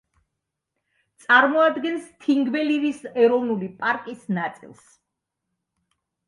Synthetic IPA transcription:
t̪sʼaɾmɔad̪ɡɛnst̪ʰiŋɡvɛliɾisɛɾɔvnulipʼaɾkʼisnat̪sʼḭlˠs

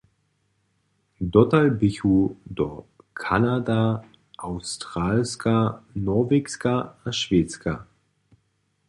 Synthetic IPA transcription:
dɔtalbɪçudɔ | kʰanada | ʔaʊstʁ̥aːlskʰanɔɐveːkskaaʃv̥eːt͡skʰa̰

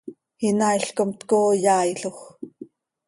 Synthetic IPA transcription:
hinaiɬkomt̪kojaːjɬox

